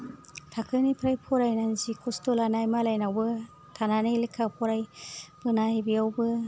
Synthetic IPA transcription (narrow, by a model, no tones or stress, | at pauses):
tʰakʰɯnipʰɾajpʰɔɾajnanzikʰustolanajmalajnawbɯ | tʰananalikʰːapʰɔɾajb̥ɯnajbiawbɯ